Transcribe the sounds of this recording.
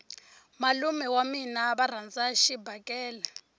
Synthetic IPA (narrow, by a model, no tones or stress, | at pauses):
malumɛwaminaβar̤and͡zaʃibʱakʼɛːlɛ